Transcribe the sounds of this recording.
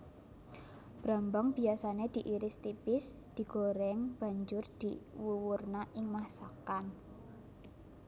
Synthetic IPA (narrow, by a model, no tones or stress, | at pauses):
b̥ɾambaŋb̥i̤asaned̪̥i̤ʔiɾɪst̪ipɪsd̪̥i̤ɡ̥oɾɛŋb̥a̤ɲd͡ʒʊrd̪̥iwuwurnaʔɪŋmahsakan